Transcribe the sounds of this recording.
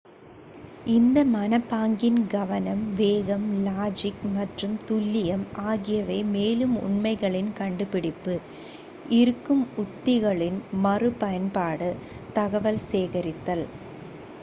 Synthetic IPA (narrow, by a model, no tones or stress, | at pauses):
ʔɪnd̪ɐmɐnɐpːaːŋɡɪnɡɐʋɐnɐmʋeːɣɐmlaːd͡ʒɪkmɐʈrɯmt̪ʊlːɪjɐmʔaːɣɪjɐʋɐːmeːlɯmʊ̰ɳmɐɪɣɐɭɪnkɐɳɖɯpɪɽɪpːɯ | ʔɪɾɯkːɯmʊt̪ːɪɣɐɭɪnmɐrɯpɐjɐnpaːɽɯ | t̪ɐɣɐʋɐlseːɣɐɾɪt̪ːɐl